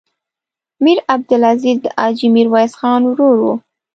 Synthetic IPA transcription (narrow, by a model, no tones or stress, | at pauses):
miɾab̚d̪ʊlazid̪əʔɑd͡ʒimiɾwɑjsxɑnwɾoɾwṵ